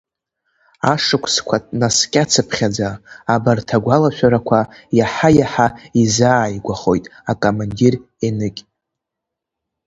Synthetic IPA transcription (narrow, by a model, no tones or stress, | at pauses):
aʂɨkʷʼʰskʷʰatʼnaskʲʼat͡sʰɨpʰχʲad͡zaːbartʰaɡʷalaʃʷᶣaɾakʷʰajaħajaħaizaːjɡʷaχo̞̰jtʼakʼomandir | enɨkʲʼ